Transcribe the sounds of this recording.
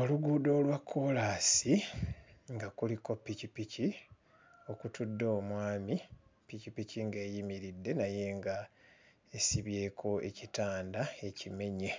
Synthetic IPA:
o̞luɡuːdo̞ːlwakʰːo̞lasi | ŋɡakuliko̞pːicipici | o̞kutudːoːmwaːmi | picipiciŋɡe̞ːjimiɾidːe̞naje̞ːŋɡa | esiβje̞ːkʰo̞e̞̰citaːndae̞cime̞ɲe̞

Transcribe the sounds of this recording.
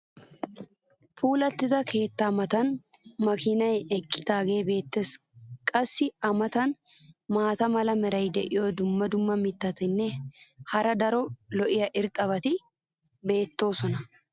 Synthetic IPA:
fuːlɐt̪ːɪzɐkʰe̞ːt̪ːɐmɐt̪ɐnmɐkɪnɐjɛkʼːɪ̥t̪aːɡe̞ːbe̞ːt̪ːe̞ːskʼɐsːɪɐmɐt̪ɐnmaːt̪ɐmɐlɐmɛɾɐjd̪ɛʔɪjod̪ʊmːɐd̪ʊmːɐmɪt̪ːɐt̪ɪnːɛhɐɾɐd̪ɐɾɔlɔʔɪjɐʔɪɾt̪ʼɐβɐt̪ɪ | be̞ːt̪ːo̞ːsɔnɐ

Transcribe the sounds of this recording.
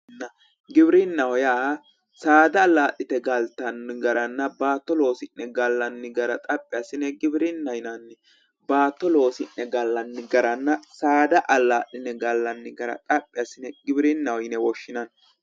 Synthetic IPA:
nːɐ | ɡɪbɾɪnːɐwɔjaː | saːd̪ɐːlːaːʔɪt̪ɛɡɐlt̪ɐnɡɐɾɐnːɐbaːt̪ːɔlo̞ːsɪnːɛɡɐlːɐnːɪɡɐɾɐt̪ʼɐpʼːɪjasɪnɛɡɪbɪɾɪnːɐjnɐnːɪ | baːt̪ːɔlo̞ːsɪnːɛɡɐlːɐnːɪɡɐɾɐnːɐsaːd̪ɐʔɐlːaːʔɪnɛɡɐlːɐnːɪɡɐɾɐ̰t̪ʼɐpʼːɪjɐsɪnɛɡɪbɪɾɪnːɐwɔjɪnɛwɔʃːɪnɐn

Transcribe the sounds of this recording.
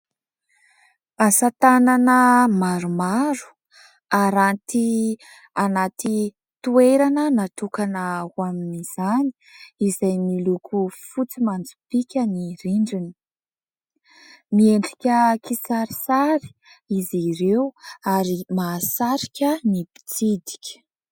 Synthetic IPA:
asat̪ananəmaɾumaɾu̥ | aɾant̪i | anat̪i | t̪ueɾanənat̪ukanəwaminiz̥ani̥ | izajnilukufut͡simand͡zu̥pikʲəniriɳɖ͡ʐini̥ | mieɳɖ͡ʐikʲəkisaɾisaɾi̥ | iziɾewaɾimaːsaɾi̥kʲənibi̥t͡sid̪i̥kʲə̥

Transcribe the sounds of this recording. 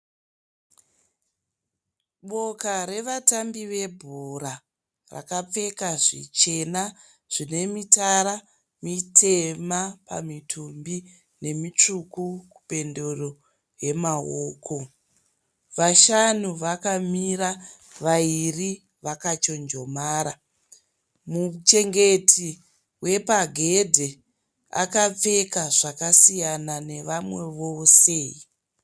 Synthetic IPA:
ɓo̞kaɾe̞ʋatambiʋe̞bʱuɾa | ra̰kap͡fe̞kaʐḭt͡ʃe̞na | ʐ̥ine̞mitaɾa | mitʰe̞mapa̰mitʰumbi | ne̞mit͡ʂukuku̥pe̞ndoro | je̞maoːkʰo̞ | ʋaʃanuʋakamiɾa | ʋairi | ʋakat͡ʃo̞nd͡ʒo̞maːɾa | mut͡ʃe̞ŋɡe̞tʰi | we̞paɡʱe̞dʱe | a̰kap͡fe̞kaʐakasijanane̞ʋamwe̞ʋosei

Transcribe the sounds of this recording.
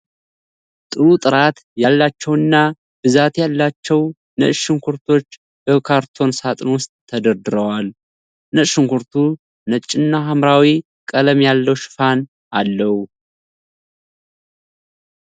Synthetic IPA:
t̪ʼɨɾut̪ʼɨɾat̪ | jalːat͡ʃːɛwɨnːa | b̥ɨzat̪jalːat͡ʃːɛw | nə̰ʃɨŋkʰuɾt̪ʰo̞t͡ʃː | b̥əkʰaɾt̪ʰo̞nsat̪ʼnwʊst̪ʼʰːəd̪əɾd̪ɨɾəwal | nəʃɨŋkuɾt̪ʰu | nət͡ʃʼːɪnːaɦamɾawi | kʼələmjalːəwʃɪ̥fan | ʔalːəhu

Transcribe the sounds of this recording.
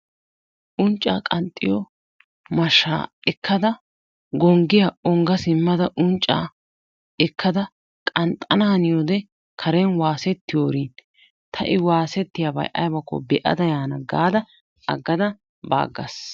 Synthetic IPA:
ʔʊnt͡ʃʼːa̰ːkʼɐnt̪ʼːɪjɔ | mɐʃːa̰ːɛkʰːɐd̪ɐ | ɡɔŋɡɪjɐɔŋɡɐsɪmːɐd̪ɐʔʊnt͡ʃʼːa̰ː | ɛkːɐd̪ɐ | kʼɐnt̪ʼːɐnaːnɪjod̪ɛ | kʰɐɾɛnwaːsɛt̪ːɪjoːɾin | t̪ʰɐʔɪwaːsɛt̪ːɪjabɐ̰jʔɐ̰jbɐkːɔ̰bɛʔɐ̰d̪ɐjaːnɐɡaːd̪ɐ | ɐ̰ɡːɐd̪ɐ | ba̰ːɡːɐ̰s

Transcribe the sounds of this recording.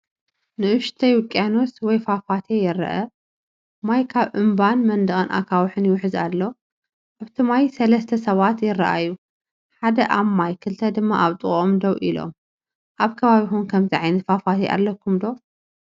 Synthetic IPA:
nɨʔɨʃt̪ʰɐjwʊkʼːiano̞swɔjfafat̪ʰejɪɾɐ̰ʔɐ | majkʰaβʔɨmbanmɐnd̪ɐɣʼɨnʔa̰kʰawħɨnjɪwʊħɨza̰lːo̞ | ʔaβt̪ʰɨmajsɐlɐst̪ʰɐsɐβat̪jɪrːɐ̰ʔa̰jːu | ħad̪ɐʔamːajkʰɨlt̪ʰɐd̪ɨmːa̰ʔaβt̪ʼɨχʼomd̪ɐwʔḭlo̰m | ʔaβkʰɐβaβixunkʰɐmziʕajnɐt̪fafat̪ʰeʔa̰lːɐkʰːumd̪o̞

